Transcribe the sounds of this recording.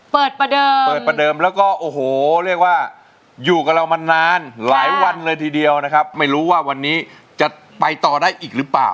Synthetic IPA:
pɤː˨˩t̪̚pa˧dɤː˧pɤː˨˩t̪̚pa˧dɤː˧mlɛː˦˥wkɔː˥˩ʔoː˨˩hoː˨˩ɾi˥˩ək̚waː˥˩ | juː˨˩ka˨˩ɾa˧wma˧naː˧nlaː˩˦jwa˧nlɤː˧jt̪ʰiː˧di˧əwna˦˥kʰp̚ma˥˩jɾuː˦˥waː˥˩wa˧nːiː˦˥ | t͡ɕa˨˩ | pa˧jt̪ɔː˨˩daː˥˩jʔiː˨˩k̚ɾɯ˦˥pla̰ː˨˩w

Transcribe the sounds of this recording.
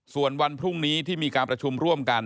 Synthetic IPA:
su˨˩ənwa˧npʰɾu˥˩ŋniː˦˥t̪ʰiː˥˩miː˧kaː˧npɾa˧t͡ɕʰu˧mɾu˥˩əmka˧n

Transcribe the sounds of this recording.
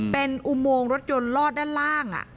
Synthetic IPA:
pe˧nʔu˧˥moː˧ŋɾo˦˥t̪̚jo˧nlɔː˥˩t̪̚daː˥˩nlaː˥˩ŋʔa̰˨˩

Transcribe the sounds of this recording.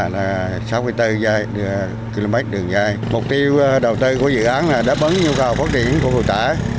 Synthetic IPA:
laː˨˩ | saː˨˦wmɨ˧jt̪ɨ˧zaː˧jɗɨ˧˩ | ki˧lo˧mɛ˦˥t̚ɗɨ˨˩əŋzaː˧jmʊ˨˩k͡p̚t̪i˧əwɗə˨˩wt̪ɨ˧ku˧˩əzɨ̰˧˨ʔaː˨˦nlaː˨˩ɗa̰ː˨˦˥p̚ʔə˨˦nɲu˧wka˨˩wfaː˦˥t̚t͡ɕḭ˧˩˨ənku˧˩˦ɦo̰˧˨jt̪a̰ː˧˩˦

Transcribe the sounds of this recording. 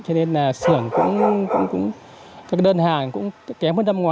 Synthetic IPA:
t͡ɕɔ˧ne˧nlaː˨˩sɨ˧˩əŋkʊ̰˧˥ŋ͡mkʊ̰˧˥ŋ͡mkʊ̰˧˥ŋ͡m | kaː˦˥k̚ɗəː˧nhaː˨˩ŋkʊ̰˧˥ŋ͡mkɛ˨˦mhəː˧na˧mŋwaː˨˩

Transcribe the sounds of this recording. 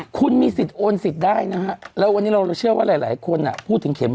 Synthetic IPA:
kʰu˧nmiː˧si˨˩t̪̚ʔoː˧nsi˨˩t̪̚daː˥˩jna˦˥kʰa˦˥lɛː˦˥wa˧nːi˦˥ɾa˧wɾa˧wt͡ɕʰɯ˥˩əwaː˥˩laː˨˩˦jlaː˩˦jkʰo˧nʔa̰˨˩pʰuː˥˩t̪ʰːɯ˩˦ŋkʰe˨˩˦m

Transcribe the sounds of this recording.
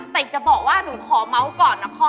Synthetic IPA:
t̪e˨˩t͡ɕa˨˩bɔː˨˩k̚waː˥˩nuː˩˦kʰɔː˩˦ma˦˥wkɔː˨˩nːa˦˥kʰɔː˧˥

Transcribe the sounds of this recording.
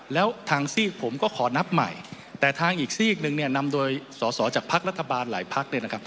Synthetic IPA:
lɛː˦˥wt̪ʰaː˧ŋsiː˥˩pʰo˩˦mkɔː˥˩kʰɔː˩˦na˦˥p̚ma̰˨˩j | t̪ɛː˨˩t̪ʰaː˧ŋʔiː˨˩k̚siː˥˩k̚nɯ˧ŋni˥˩ɐna˧mdoː˧jsɔː˩˦sɔː˩˦t͡ɕaː˨˩k̚pʰa˦˥k̚ɾa˦˥t̪ʰːa˧baː˧nla̰ː˩˦jpʰa˦˥k̚ni˥˩ɐna˥kʰa˦˥p̚

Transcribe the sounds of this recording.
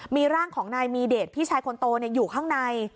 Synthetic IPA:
miː˧ɾaː˥˩ŋkʰɔː˩˦ŋnaː˧jmiː˧deː˨˩t̪̚pʰiː˥˩t͡ɕʰaː˧jkʰo˧nt̪oː˧ni˥˩ɐjuː˨˩kʰaː˥˩ŋna˧j

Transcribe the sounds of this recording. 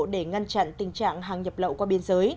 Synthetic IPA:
ɗe˧˩ŋa˧nt͡ɕa̰˧˨nt̪ï˨˩ŋ̟t͡ɕa̰ː˧˨ŋɦaː˨˩ŋɲə˨˩p̚ɗə̰˧˨wkwaː˧ɓi˧ənzəː˨˦j

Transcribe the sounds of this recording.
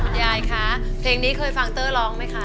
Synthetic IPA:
jaː˧˩jkʰa˦˥ | pʰleː˧ŋniː˦˥kʰɤː˧jfa˧ŋt̪ɤː˥˩lɔː˦˥ŋma˦˥jkʰa˦˥

